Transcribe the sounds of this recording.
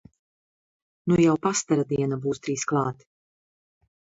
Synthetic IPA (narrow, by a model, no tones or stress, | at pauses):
nujawpast̪aɾad̪iɛnabuːst̪ɾiːsklˠɑːt̪